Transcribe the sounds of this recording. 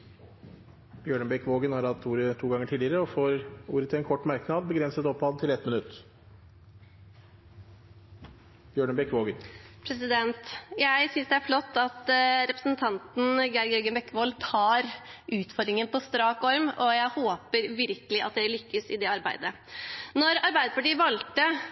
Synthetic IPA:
b̥jøːɳəbɛkʋoːɡənhɑːɾhɑt̪ʰːuːɾət̪ʰuːɡɑŋːəʈʰiːlɪəɾəɔfoːɾuːɾət̪ʰɪlɛnkʰɔʈːmæɾknɑːd̪̚bəɡɾɛnsət̪ɔpːɑːd̪t̪ʰɪlɛt̪mɪnʉt̪ː | b̥jøːɳəbɛkʋoːɡənpʰɾɛsɪd̪ɛnt̪jæɪsʏnsd̪ɛæɾflɔt̪ːɑt̪ɾɛpɾəsnt̪ʰɑnt̪n̩ɡɑɾɡɛɾɡənbɛkːʋoːlt̪ʰɑːɾʔʉːt̪fɔɾd̪ɾɪŋənpɔst̪ɾɑːkɔɾmʔɔjæɪhoːpəɾʋɪɾkəlɪʔɑ̰t̪̚d̪ɛlʏkːəsɪ̰d̪ɛɑɾbæ̰ɪd̪ə | nɔɾɑɾbæɪd̪əpɑʈiːəʋɑlt̪ə

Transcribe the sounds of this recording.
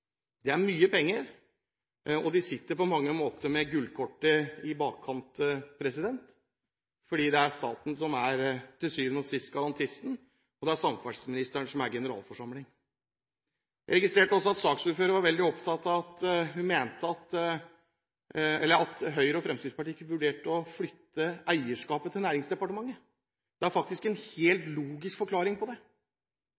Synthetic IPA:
d̪̥ɛæɾmyːəpʰɛŋːəɾ | ɔd̪ɪsɪt̪ːəɾpɔmɑŋːəmoːt̪ʰəɾmɛɡʉlkʰɔʈːəɪbɑːkʰːɑnt̪pʰɾɛsɪd̪ɛnt̪ | fɔɖiːd̪ɛæɾst̪ɑ̰ːt̪n̩sɔmæɾt̪ʰɪlsyːʋənɔsɪst̪̚ɡɑlɑnt̪ʰɪst̪n̩ | ɔd̪ɛæɾsɑmfɑsmɪnɪst̪əɳʂɔmæɾɡɛnəɾɑ̰ːlfɔʂɑmlɪŋ | jæɪɾɛɡɪst̪ɾeːʈəɔsːɔɑt̪sɑːksuːɾføːɾəɾʋɑɾʋɛld̪ɪɔpt̪ʰɑt̪ːɑʋɑt̪hʉnmeːnt̪əɑt̪ | ɛlːəɾɑt̪ɦœʏɾəɔfɾɛmsɪd̪spɑʈiːɪkːəʋʉɖeːʈəɔflʏt̪ːəʔæɪəʂkɑːpət̪ʰɪlæːɾɪŋsd̪ɛpɑʈəmɑŋːə | d̪̥ɛæɾfɑk̚t̪ɪskɛnheːlt̪luːɡɪskfɔɾkʰlɑːɾɪŋpʰɔd̪ɛ

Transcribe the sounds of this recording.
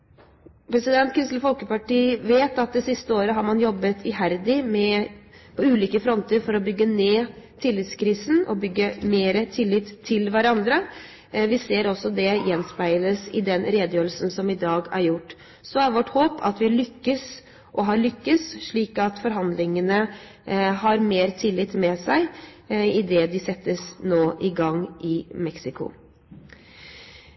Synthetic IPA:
pʰɾɛsɪd̪ɛnt̪kʰɪnst̪ləfɔlkəpɑʈiːʋeːt̪ɑt̪̚d̪ɛsɪst̪əoːɾəɦɑɾmɑnjɔbːət̪ʰɪɦæɾd̪ɪmɛpʰɔʉːliːkəfɾɔnt̪əɾfɔɾɔbʏɡːəneːt̪ʰɪlːɪt̪skʰɾiːsn̩ɔ̰bʏɡːəmeːɾət̪ʰɪlːɪt̪ʰːɪlʋæɾɑnd̪ɾə | ʋɪseːɾɔsːɔd̪ɛjɛnspæɪləsɪd̪ɛnɾeːd̪əjøːɾlsnsɔmɪd̪ɑːɡæɾjʊʈː | sɔæɾʋɔʈːhoːpʰɑ̰t̪ʋɪlʏkːəs | ʔɔɦɑɾɭʏkːəsʂɭiːkɑt̪fɔɾɦɑnd̪lɪŋənə | ɦɑɾmeːɾt̪ʰɪlːɪt̪mɛsæɪ | ɪd̪ɛd̪ɪsɛt̪ːəsnoːʔɪɡɑŋːʔɪmɛksɪkʊ̰

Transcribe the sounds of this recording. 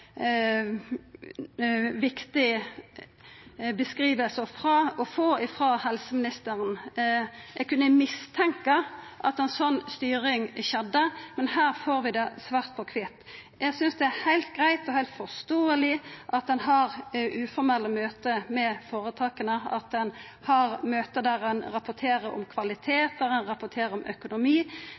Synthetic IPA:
ʋɪkt̪ɪ | bəskɾiːʋəlsəfɾɑɔfoːɪfɾɑːhɛlsəmɪnɪst̪əɾən | jɛɡkʉnːəmɪst̪ʰɛŋkɑʔɑt̪ɛnsɔnːst̪yːɾɪŋʃɛd̪ːəmɛnhæːʁfoːɾʋɪd̪ɛsʋæːʁt̪̚pʰɔkʰʋɪt̪ːjæɡsʏnsd̪ɛæhæɪlt̪̚ɡʁæɪt̪ɔhæɪt̪fɔst̪oːəlɪʔɑt̪̚d̪ɛnɦɑʁʔʉːfɔɾmɛlːəmøːt̪əmɛfoːɾət̪ʰɑːkənəɑ̰t̪̚d̪ɛn | hɑɾmøːt̪əd̪æɾɛnɾɑpʊt̪ʰeːɾəɾɔ̰mkʰʋɑlɪt̪ʰeːt̪əɾɛnʁɑpʊt̪ʰeːɾəɾɔmʔœkʊnʊmiː

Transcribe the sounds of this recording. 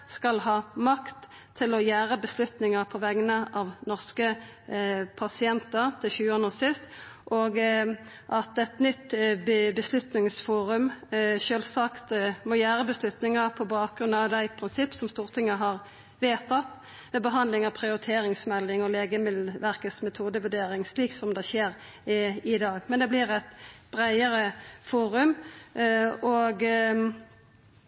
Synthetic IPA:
skɑlɦɑːmɑkt̪ʰː | ɪlɔjæːʁəbəslʉt̪nɪŋəpʰɔʋɛɡənəʔɑʋnɔʁskə | pʰɑsɪɛnt̪əʁt̪ʰɪçʉːoːnəsɪst̪ʔoːɡ | ʔɑt̪ɛt̪nʏt̪bəslʉt̪nɪŋsfuːʁʉmʃøːlsɑkt̪mɔjæːɾəbəslʉt̪nɪŋɑpʰɔbɑːk̚ɡɾʉnɑʋd̪æɪpʰɾɪnsɪpːsɔmst̪uːʁt̪ʰɪŋːəɦɑʁ | ʋeːt̪ʰɑt̪ː | mɛbəɦɑnd̪lɪŋɑʋpʰʁɪʊɾɪt̪ʰeːɾɪŋsmɛlːɪŋɔleːɡəmɪʋæʁkəsmɛt̪ʰuːd̪əʋʉɖeːɾɪŋsliːksɔmd̪ɛʃeːɾ | ɪd̪ɑːɡmɛnd̪ɛblɪʁɛt̪b̥ʁæɪəɾəfuːɾʉm | ɔɡ

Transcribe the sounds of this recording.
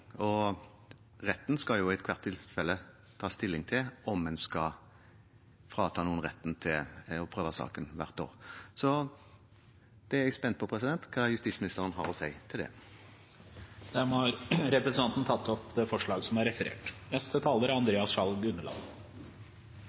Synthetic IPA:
ɔ | ʁɛt̪ːnskɑjʊɛt̪kʰʋɑʁt̪ʰːɪlfɛlːə | t̪ʰɑːst̪ɪlːɪŋt̪ʰɪlɔmːɛnskɑ | fʁɑːt̪ʰɑːnuːənʁɛt̪ːn̩t̪ʰɪlɔpʰʁøːʋəsɑ̰ːkənʋæ̰ʁt̪o̰ːʁsɔ | d̪̥ɛæɛɡspɛnt̪̚pʰɔpʰʁɛsɪd̪ɛnt̪kʰɑːjʉst̪iːsmɪnɪst̪əʁənɦɑ̰ʁɔsæɪt̪ʰɪld̪ɛ̰ | d̪̥æmhɑɾɾɛpɾɛsnɑnt̪n̩t̪ʰɑt̪ːɔpd̪ɛfɔʂɭɑːɡsɔmæɾɛfəɾḛːʈnɛst̪ət̪ʰɑːləɾɑnd̪ɾeːɑsʃɑlɡʉnːəlɑ̰ːd̪

